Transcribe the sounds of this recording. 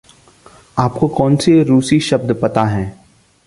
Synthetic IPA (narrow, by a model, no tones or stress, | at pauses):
aːpkokɔːnseɾuːsiʃɐb̚d̪pɐt̪aɦɛ̃ː